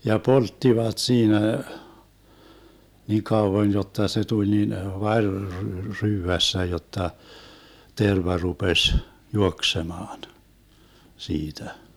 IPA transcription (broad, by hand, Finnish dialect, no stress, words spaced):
jɑ poltːiʋɑt siːnæ niˑ kɑuʋon jotːɑ se tulʲ nin ʋɑrʲ r ryːʋæsːæ jotːɑ terʋɑ rupesʲ juoksemɑːn siːtæ